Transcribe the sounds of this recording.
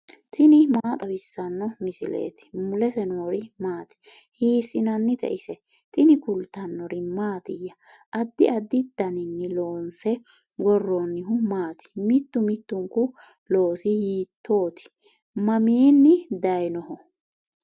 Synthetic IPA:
t̪ɪnɪmaːt̪ʼɐbɪsːɐnːɔmɪsɪlḛːt̪ɪ̥mʊlɛsɛnoːɾɪmaːt̪ɪ̥ | hiːsɪnɐnːɪt̪ɛ̰ʔɪsɛ | t̪ɪnɪkʊlt̪ːɐnːɔɾɪmaːt̪ɪjːɐ | ʔɐd̪ːɪʔɐd̪ːɪd̪ɐnɪnːɪlo̞ːnsɛ | ɡɔrːonːɪɦʊmaːt̪ɪ̥mɪt̪ːʊmɪt̪ːʊŋkʊ | lo̞ːsɪhiːt̪ːo̞ːt̪ɪ̥ | mɐmiːnːɪd̪ɐjnɔhɔ

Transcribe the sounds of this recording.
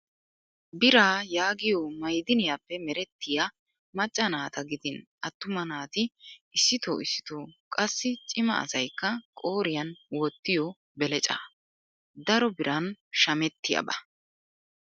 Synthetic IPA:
bɪɾaːjaːɡɪjoːmɐjd̪ɪnɪjapːɛmɛɾɛt̪ːɪja | mɐt͡ʃʼːɐnaːt̪ɐɡɪd̪ɪnʔɐt̪ːʊmɐnaːt̪ɪɪsːɪt̪o̰ːɪsːɪ̥t̪oːkʼɐsːɪt͡ʃʼɪmɐ̰ɐ̰sɐjkːɐkʼoːɾɪjɐnwɔt̪ːɪjɔ | bɛlɛt͡ʃʼa̰ː | d̪ɐɾɔbɪɾʔɐnʃɐmɛt̪ːɪjɐ̰bɐ̰

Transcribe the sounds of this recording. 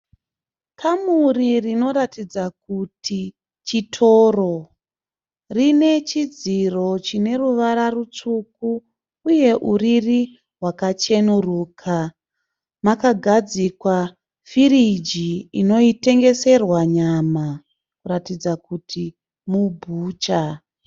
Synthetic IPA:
kʰamuririno̞ɾatid͡zak̚utʰi | t͡ʃitʰo̞ːro̞ | rine̞t͡ʃid͡ziro̞t͡ʃine̞ruʋaɾarut͡ʂuku | uje̞ʔuriri | ɦwakat͡ʃe̞nuruːkʰa | makaɡʱad͡zikwa | fiɾid͡ʒiino̞ite̞ŋɡe̞se̞rwaɲama | kuɾatid͡zakutʰi | mubʱuːt͡ʃa

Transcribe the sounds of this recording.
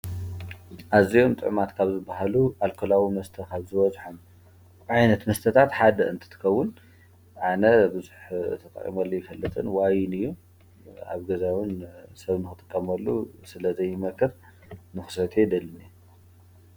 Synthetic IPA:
ʔazijomt̪ʼɨ̰ʕmat̪kʰaβzɨbːaɦaluʔalkʰolawimɐst̪ʰɐkʰaβzɨβɐzħom | ʕajnɐt̪mɐst̪ʰɐt̪ʰat̪ħad̪ɐʔɨnt̪ʰɨ̥t̪ʰɨ̥kʰɐwːʊn | ʕanɐbɨzuħt̪ʰɐt̪ʼɐ̰χʼḭmɐlːojɪfɐlːɨt̪ʼɨnwajɪnɨjːu | a̰βɡɐzawɨnsɐβnɨxɨt̪ʼɨkʼːɐmɐlːṵsɨlɐzɐjːɪmɐkʰːɨɾ | nɨxɨ̥sɐt̪ʰed̪ɐlːɨni

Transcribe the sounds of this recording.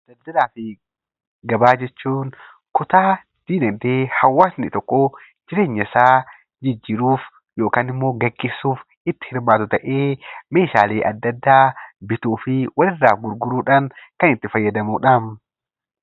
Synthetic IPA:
ɐd̪ɐd̪ːɐɾaːfɪ | ɡɐbaːd͡ʒɛt͡ʃːuːn | kʊt̪aː | d̪̥iːnɐd̪eːhɐwːaːsnɪt̪ɔkːo | d͡ʒɪɾe̞ːɲːɐsaː | d͡ʒɪd͡ʒːɪɾuːf | jo̞ːkaːnɪmːo̞ːɡɐɡːeːsːuːf | ɪt̪ːɪ̥hɪɾmaːt̪ʊt̪ɐʔe̞ːme̞ːʃaːleːʔɐd̪ːɐd̪ːaːbɪt̪uːfɪwɐlɪrːaːfɡʊɾɡʊɾuːᶑaːnkɐnɪt̪ːɪfɐjːɐd̪ɐmuːᶑam

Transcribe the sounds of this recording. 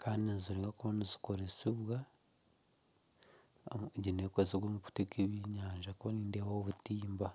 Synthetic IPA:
kʰaːndinziɾeŋɡakuβanizi̥ko̞ɾesiβwa | ɟineːkoziβwomuku̥tekeβiɲaːɲʒakuβaniːndewaoβutiːmba

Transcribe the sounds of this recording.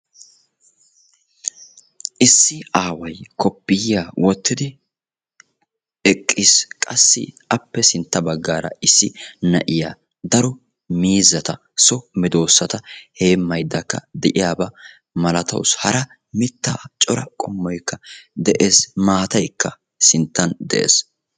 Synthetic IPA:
ʔɪsːɪaːwɐjkʰɔpːɪjjaːwʔɔt̪ːɪd̪ɪ | ɛkʼːɪskʼɐsːɪ̰ | ɐpːɛsɪnt̪ːɐbɐɡːaːɾɐ̰ʔɪsːɪnɐʔɪjaː | d̪ɐɾɔ | miːzɐt̪ɐ | sɔmɪd̪o̞ːsːɐt̪ɐheːmːɐjd̪ːɐkːɐ̰d̪ɛʔɪjaːbɐ | mɐlɐt̪ɐ̰wshɐɾɐ | mɪt̪ːaːt͡ʃʼɔɾɐkʼɔmːɔjkːɐd̪ɛʔeːsmaːt̪ɐjkːɐ | sɪnt̪ːɐnd̪ɛ̰ʔḛːs

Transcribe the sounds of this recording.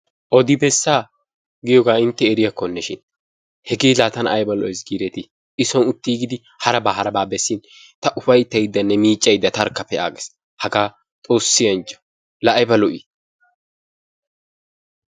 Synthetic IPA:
ʔɔd̪ɪbɛsːaː | ɡɪjɔɡaːɪnt̪ːɛːɾɪjɐkːɔnːɛʃɪn | hɛɡeːlaːt̪ɐnɐ̰jbɐlɔ̰ʔɔjsɡiːɾɛt̪ɪ | ɪsɔnʊt̪ːiːɡɪd̪ɪ | hɐɾɐbɐɦɐɾɐbaːbɛsːɪn | t̪ɐʔʊfɐjt̪ːɐjɪd̪ːɐnːɛmiːt͡ʃʼːɐjɪd̪ːɐt̪ɐɾkːɐpːɛa̰ːɡɛs | hɐɡaː | t̪ʼo̞ːsːɪjɐnt͡ʃːɐ̥ | lɐʔːjbɐlɔʔi

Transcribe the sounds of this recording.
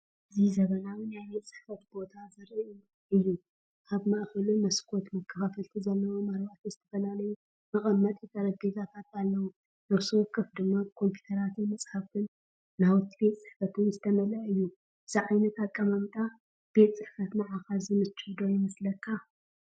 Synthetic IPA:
ʔʔɨzizɐβɐnawɨnajbet̪sʼɨ̥ħfɐt̪bo̞t̪ʰazɨɾɨu | ɨjːu | ʔaβmaʔxɐlumɐskʰo̞t̪mɐkʰːɐfafɐlt̪ʰizalːɐwomaɾbaʔt̪ʰizɨt̪ʰɐ̥fɐnalɐju | mɨχʼɐmːɐt̪ʼjit̪ʰɐɾɐɡezat̪ʰat̪alːɐwu | nɐβsuwɔkːɨfd̪ɨmːakʰo̞mpʰju̥t̪ʰɐɾat̪ʰɨnmɐsʼħafkʰɨnː | awɨt̪ʰːibe̞t̪ʼsʼɨħfɐt̪ʰɨnzɨt̪ʰɐmɐlɐɨjːu | ɨziʕajnɐt̪akʼːɐmɐmt̪ʼa | b̥e̞t̪ʼt͡sʼɨħfɐt̪mɐaʕaxalzɨmɨt͡ʃːħd̪o̞jɪmɐslɐkʰːa

